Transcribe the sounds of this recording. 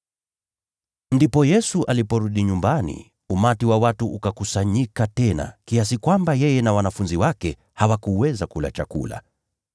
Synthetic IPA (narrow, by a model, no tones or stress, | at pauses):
ndipɔjɛsuʔalipɔɾuɗiɲumbanḭ | umatiwawatuʔukakusaɲikatɛna̰kias̬ikwambajɛjɛnawanafunziwakɛ | hawakuwɛzakula̰t͡ʃa̰kṵla̰